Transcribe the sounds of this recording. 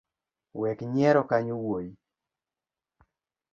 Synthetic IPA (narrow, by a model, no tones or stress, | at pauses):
wɛkɲɛɾɔkaɲowoji